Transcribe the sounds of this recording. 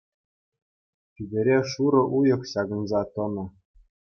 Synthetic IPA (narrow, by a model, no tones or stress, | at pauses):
tʲiɡʲɘ̆ɾʲeʂuɾɤ̆ʔujɤ̆χɕɑɡɤ̆nzɑt̪ɤ̆nɤ̆